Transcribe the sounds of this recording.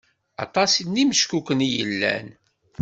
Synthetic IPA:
ɑ̰t̪ˤɑsinːiməʃkukənijəlːæ̰n

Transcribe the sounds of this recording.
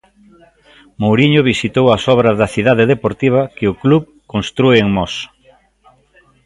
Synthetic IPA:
mowɾiɲʊβ̞isit̪owɐsɔβɾɐzðɐθiðaðeðepoɾt̪iβ̞ɐkeʊkluβ | konst̪ɾueeŋmɔs

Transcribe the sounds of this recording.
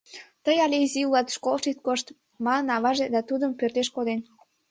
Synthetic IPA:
t̪əjɑlʲeziulɑt̪ʃkolˠʃit̪̚koʃt̪ | mɑnənɑβɑʒed̪ɑt̪ud̪əmpørt̪eʃkod̪en

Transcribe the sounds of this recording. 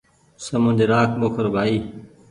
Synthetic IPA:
səmʊ̃nd̪eɾaːkʰɓokʰəɾbʱaːiː

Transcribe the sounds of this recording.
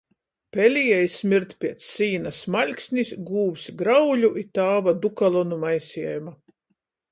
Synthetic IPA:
pʲɛlʲijɛjsmʲiɾt̪pʲiɛt̪sːiːnasmalʲksʲnʲisɡuːwsɡɾawlʲuʔit̪aːvad̪ukalˠɔnumajsʲiɛjuma

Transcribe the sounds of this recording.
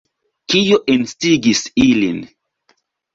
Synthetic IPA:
kijoʔenstiɡisilin

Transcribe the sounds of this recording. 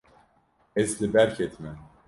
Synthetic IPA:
eslʲibæɾcʰɛt̪ʰmɛ

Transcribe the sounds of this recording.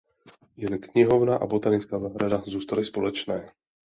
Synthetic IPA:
jɛlɪkɲɪɦovnaːʔa̰bo̞t̪anɪt͡skaːnaːɦɾadazuːst̪alɪspo̞lɛt͡ʃnɛː

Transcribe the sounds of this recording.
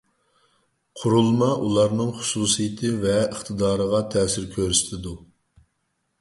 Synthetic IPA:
qʰʊɾulˠmɑʔulˠɑɾnɨŋχʊ̥suːsijɪt̪ʰɨvɛəχt̪ʰɨd̪ɑːɾəʁɑt̪ʰɛːsɪɾkʲʰøɾyst̪ʰɪd̪u

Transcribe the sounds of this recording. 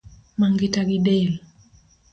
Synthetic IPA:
maŋɡitaɡidɛl

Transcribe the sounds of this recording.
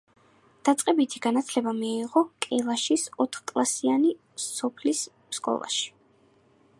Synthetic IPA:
d̪̥at̪sʼqʼɛbit̪ʰiɡ̥anat̪sʰlɛbamiiʁɔkʼɛlˠaʃisɔt̪ʰχkʼlˠasiani | ɔpʰlis | skʼɔ̰lˠa̰ʃi̥

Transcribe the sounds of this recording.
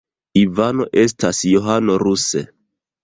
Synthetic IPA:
ivano̞ʔe̞s̬tasjoɦano̞ɾusḛ

